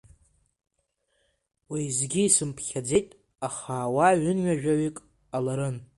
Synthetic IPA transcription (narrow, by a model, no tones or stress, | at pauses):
wijzɡʲiːsɨmpʰχʲad͡ze̞jtʼ | aχaːwaɥʏnɥaʒᶣaɥikʼ | alaɾɨn